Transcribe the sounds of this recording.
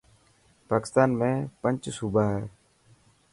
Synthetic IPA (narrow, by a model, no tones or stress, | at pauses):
paːkɪ̥st̪aːnmẽːpənt͡ʃsuːbʱaːɦɛː